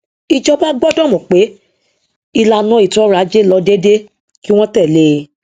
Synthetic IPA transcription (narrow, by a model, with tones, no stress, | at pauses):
i˧d͡ʒɔ˧ba˦ɡ͡bɔ˦dɔ̃˦˨mɔ̃˨k͡pe˨˦ | i˧la˧nũ˨˦i˨tɔ˦ɾa˨˦d͡ʒe˦˨lɔ˧de˦de˦ | ki˦w̃ɔ̃˦tɛ˦˨le˦˧˨